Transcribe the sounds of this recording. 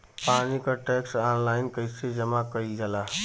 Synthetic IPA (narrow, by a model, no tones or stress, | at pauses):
panikəʈɛksanlaːɪnkəised͡ʒəmakəid͡ʒəla